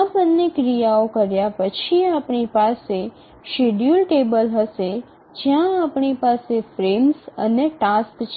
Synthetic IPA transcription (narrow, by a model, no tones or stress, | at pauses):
apənːekɾijaokəɾjapət͡ʃʰiapɳipase | ʃeɖjulʈebəlɦəʃe | d͡ʒjãːpɳipasefɾemsəneʈaskt͡ʃʰ